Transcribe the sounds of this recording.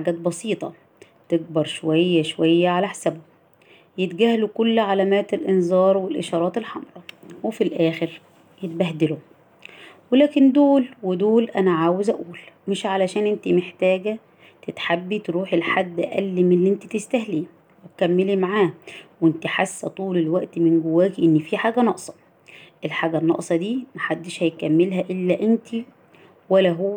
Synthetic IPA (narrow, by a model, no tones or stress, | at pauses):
ħaɡæːt̪̚bɑsiːt̪ˤɑ | t̪eɡ̚bɑɾˤʃowæjːæʃowæjːæʕalæħḁsæbʊ | jet̪ɡæhlukʊlːʕalæmæːt̪elʔɪnzˤɑːɾˤwelʔɪʃɑːɾˤɑːt̪elħɑmɾˤɑwefilʔæːxɪɾ | jet̪̚bæhd̪ɪlu | welæːkɪnd̪oːlwed̪oːlʔænæʕaːwezʔæ̰ʔuːlmɪʃʕalæʃæːnʔɪnt̪imeħt̪æːɡæ | t̪et̪ħabːit̪ɾuːħelħad̪ːʔʔæ̰lːimlːiʔent̪it̪est̪æɦliː | wet̪kæmːelimaʕaːwʔent̪iħasːæt̪ˤuːlelwæʔt̪mɪnɡʊwːæːɡiʔenːifiːħaːɡænɑʔsˤɑ̥ | ʔelħaːɡænːɑ̰ʔsˤɑd̪iːmæħad̪ːeʃhæjkæmːelɦæʔɪlːæʔent̪ʰi | wælæɦoː